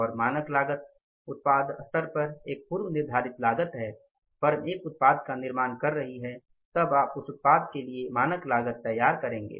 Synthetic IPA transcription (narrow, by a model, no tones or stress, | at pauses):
ɔːɾmaːnəklaːɡət̪̚ | ʊt̪̚paːd̪ət̪əɾpɐɾeːk̚puːɾwnɪɾd̪ʱaːɾɪt̪laːɡət̪ɦɛː | fɐɾəmeːkʊt̪̚paːd̪kanɪɾmaːnkɐɾːɐɦiɦɛ | t̪ɐbaːpʊsʊt̪̚paːd̪̚keliemaːnəklaːɡət̪ːɐjːaːɾkɐɾẽːŋɡḛː